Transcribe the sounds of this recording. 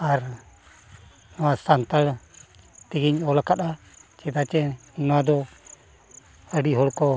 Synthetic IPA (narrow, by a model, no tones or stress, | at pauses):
aɾ | nɔwasant̪al | t̪iɡiɲɔlkaɗ̪a | t͡ʃɛd̪at͡ʃɛnɔwad̪ɔ | əɖiɦɔlkɔ